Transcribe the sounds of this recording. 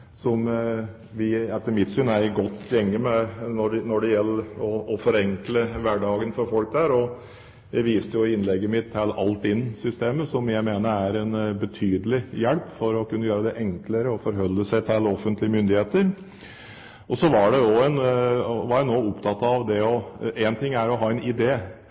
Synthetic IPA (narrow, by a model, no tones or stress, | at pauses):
sɔm | ʋɪɛt̪ːəmɪt̪ːsʉnæɾɪɡɔt̪ːjɛŋːəmɛnɔɖnɔɖɛjɛlːəɔɔfɔɾɛŋkləʋæɖɑːɡənfɔɾfɔlk̚d̪æːɾɔ | jæɪʋiːst̪əjʊɪɪnlɛɡːəmɪt̪hælʔɑlt̪ɪnsʏst̪eːməsɔmjæɪmeːnəɾæɾɛnbət̪ʰyːd̪əlɪjɛlpfɔɾɔkʉnːəjøːɾəd̪ɛʔɛŋkləɾəɔfɔɾɦœlːəsæɪt̪ʰɛlɔfənt̪lɪəmʏnd̪ɪheːt̪əɾ | ʔɔsɔʋɑɖɛd̪oːɛnʋɑænoːʊpt̪ʰɑt̪ːɑʋd̪ɛɔʔɛnt̪ʰɪŋːæɾɔɦɑːɛnɪd̪eː